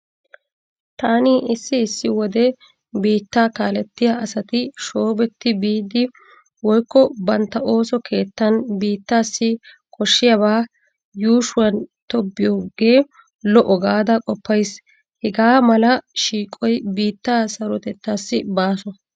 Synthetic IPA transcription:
t̪aːniʔɪsːɪːsːɪwɔd̪ɛ | biːt̪ːaːkaːlɛt̪ːɪjaɐsɐt̪ɪʃoːbɛt̪ːɪbiːd̪ɪ | wɔjkːɔbɐnt̪ːɐʔo̞ːsɔkʰe̞ːt̪ːɐnbiːt̪ːaːsːɪ | kʰɔʃːɪjɐbaː | juːʃʊwɐnt̪ɔbːɪjoːɡe̞ː | lɔʔɔɡaːd̪ɐkʼɔpːɐjs | hɛɡaːmɐlɐʃiːkʼɔjbiːt̪ːaːsɐɾɔt̪ɛt̪ːaːsːɪbaːsɔ

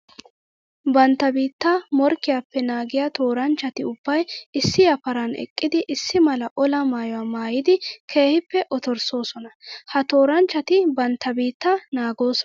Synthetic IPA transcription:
bɐnt̪ːɐbiːt̪ːɐmɔɾkːɪjapːɛnaːɡɪjat̪o̞ːɾɐnt͡ʃːɐt̪ɪʊb̥ːɐjɪsːɪjɐpɐɾɐnɛ̰kʼːɪd̪ɪʔɪsːɪmɐlɐʔɔlɐmaːjɔwaːmaːjɪd̪ɪkʰe̞ːhɪpːɛʔɔt̪ɔɾso̞ːsɔnɐhɐt̪o̞ːɾɐnt͡ʃːɐt̪ɪbɐnt̪ːɐbiːt̪ːɐnaːɡo̞ːsɔ

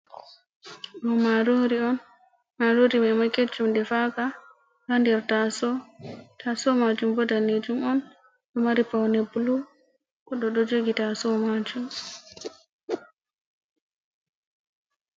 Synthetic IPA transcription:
mɔmaɾoɾiɔn | maɾoɾimɛmaket͡ʃːumdɛfaka | handɛɾtasɔtasɔmad͡ʒumbɔdaned͡ʒumɔn | ɗɔmaɾipawnebulu | kɔɗɔɗɔd͡ʒoɡitasɔmad͡ʒum

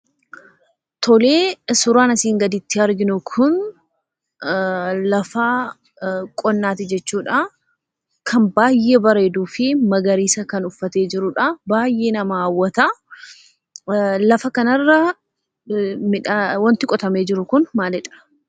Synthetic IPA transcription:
t̪ʰɔleːsʊɾaːnɐsiːŋɡɐd̪ɪt̪ːɪɐɾɡɪnʊkʰʊn | lɐfaː | kʼɔnːaːt̪ɪd͡ʒɛt͡ʃːuːᶑɐ | kʰɐmbaːjːeːbɐɾe̞ːd̪uːfɪmɐɡɐɾiːsɐkɐnʊfːɐt̪e̞ːd͡ʒɪɾʊᶑɐbaːjʔe̞ːnɐmɐːwːɐt̪ɐ | lɐfɐkɐnɐrːɐ | mɪᶑwɐnt̪ɪkʼɔt̪ɐme̞ːd͡ʒɪɾʊkʊnmaːlɛᶑɐ̥

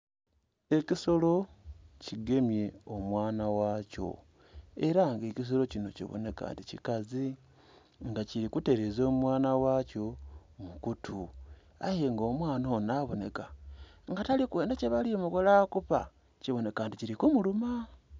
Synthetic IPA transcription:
e̞ciso̞lo̞ciɡe̞mje̞omwaːnawaːco̞̰ | eɾaŋɡecis̬o̞lo̞cino̞cḭβo̞̰ne̞ka̰ːnticikazi | ŋɡaciɾikute̞ɾezo̞ːmwaːnawaco̞mukutʰu | a̰je̞ŋɡo̞ːmwaːnonaβo̞ne̞kaŋɡatalikwe̞ːndaceβalimukolakupa | ciβo̞ne̞kaːnticiɾikumuluma

